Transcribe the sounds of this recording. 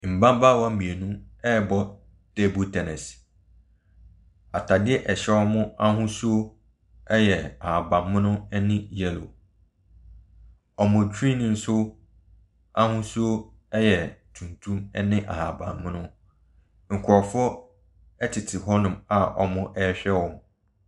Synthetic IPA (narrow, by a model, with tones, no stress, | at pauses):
m̩˨bã˦m˦ba˦˨wa˦mĩ˨e˨nũ˦ɛ˦˨bɔ˦ | d̥e˦bu˦˨tʰɛ˨nɛ˨s | a˨tʰa˨dɪ˦ɛ˦ʔɛ˨ɕɛ˦ɔ˦mʊ̃˦a˦hʊ̃˦su˦o˦ | ɛ˦jɛ˨a˨a˨bã˨mːɪ̃˦nʊ̃˦ɛ˦nɪ̃˦jɛ˦lo̰˨ | ɔ˨mʊ̃˨dᶣɾĩ˦nĩ˨n̩˦sʊ˦ | a˦hũ˦su˦o˦ | ɛ˦jɛ˨tʰũ˨ntʰũ˦mɛ˦nɪ̃˦ʔa̰˨ha˨bã̰˨mːɪ̃˦nʊ̃˦ | ŋ̩˨kʰʊ˨ɾɔ˨fʊ˦ɔ˦ | ɛ˦tʰɪ˨tʰɪ˨ɦɔ˦nʊ̃˨ma˨ʔɔ̰˨mʊ̃˦ʔɛ˦ɕᶣɛ˦wɔ̃˨m